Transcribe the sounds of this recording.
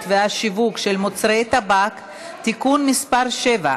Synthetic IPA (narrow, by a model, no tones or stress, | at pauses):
t̪veaʃivukʃelmot͡sʁet̪abak | t̪ikunmispaʁʃeva̰